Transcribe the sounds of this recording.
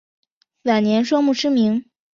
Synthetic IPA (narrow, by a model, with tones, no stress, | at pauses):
wa˨˩nnjɛ˧˥nʂwɔ˥mu˥˩ʈ͡ʂʰɻ̩˥mi˧˥ŋ